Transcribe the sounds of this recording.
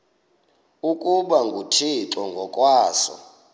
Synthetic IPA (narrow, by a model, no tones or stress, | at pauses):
ukʼuɓaŋɡʱutʰitɔŋɡʱɔkʼwaːsɔ̰